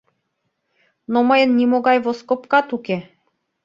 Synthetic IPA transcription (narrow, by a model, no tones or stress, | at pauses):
noməjənːimoɡɑjvoskopkɑt̪uke